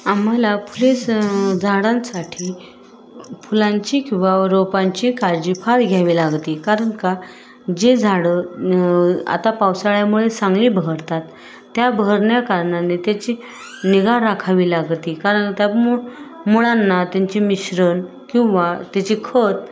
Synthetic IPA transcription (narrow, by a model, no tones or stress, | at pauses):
am̤alapulesd͡zʱaɽãnsaʈʰiː | pulaɲt͡ɕikĩw̃ʋaɾopaɲt͡ɕiːkaɾd͡ʑiːfʰaɾɡʱjaʋiːlaɡt̪iːkaɾəɳka | d͡ʑed͡zʱaɽə | a̰t̪apawsaɭjamuɭesãŋɡliːbəɦəɾt̪at̪ː | jabəəɾɳjakaɾɳanet̪jat͡ɕi | niɡaɾakʰaʋiːlaɡt̪iːkaɾəɳt̪jau | muɭanːat̪jaɲt͡ɕimiɕɾən | kĩw̃ʋat̪jat͡ɕikʰət̪